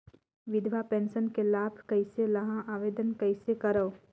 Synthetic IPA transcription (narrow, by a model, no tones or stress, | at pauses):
ʋɪd̪ʱʋapẽːnsənkelaːbʱkɐɪselɐɦãʔaːʋeːd̪ənkəɪsekɐɾə